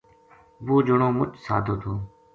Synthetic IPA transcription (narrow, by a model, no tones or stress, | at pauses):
ʋoːd͡ʒəɳoːmʊt͡ʃʰsa̰ːd̪ʱoːt̪ʰoː